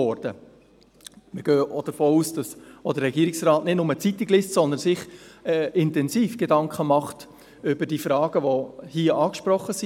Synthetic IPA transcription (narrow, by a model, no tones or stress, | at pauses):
ɔɾd̥ə | məɡ̥øːʔod̥əfoːuːsd̥ɑsod̥̪əɾːɛɡiːɾiksrɑːtnɪd̥nʊmət͡sit̪ːiɡlɪstsɔnd̪ənsɪχɛɪntɛnziːfɡ̥edɑŋkχəmɑχt | ʏbəɾd̥iːfɾɑːɡ̥əʋohiːəʔɑːkʃpɾɔχːəsi